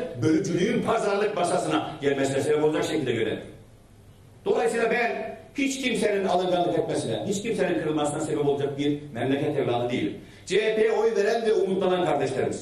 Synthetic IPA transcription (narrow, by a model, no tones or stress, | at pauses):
bølʲɛd͡ʒyɾyjynpʰazaɾlˠɯk̚baʃasɯnaɟɛlʲmɛsinɛseɛpolˠad͡ʒakʃecʰilʲd̪ɛɟø̞ɾɛ̰ni | d̪̥o̞lˠajsɯːlˠabænhit͡ʃcʰimseninalˠɯnɡanːˠɯkɛt̪mesinɛ̰ɦit͡ʃcimseninkʰɯɾɯlˠmasɯnase̞bɛpolˠad͡ʒak̚biɾmɛmlʲɛkʰɛt̪ʰɛmɾaːlˠɯd̪ejḭlʲ | d͡ʒeepʰejɛojuveɾɛnvɛumut̪lˠanankʰaɾd̪ɛʃlʲeɾɯ̰miz̥